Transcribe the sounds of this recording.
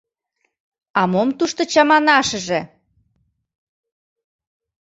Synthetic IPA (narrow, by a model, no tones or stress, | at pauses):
ɑmomt̪uʃt̪ŏt͡ɕɑmɑnɑʃə̆ʒĕ